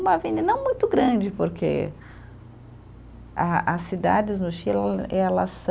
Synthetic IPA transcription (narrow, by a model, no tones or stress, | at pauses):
mɐvĩnd̪ɐnɐ̃w̃mũj̃t̪ʊɡɾɐ̃d͡ʒɪpoɾkʰḛ | aʔɐsːid̪a̰d͡ʒɪznʊʃiɛlɐs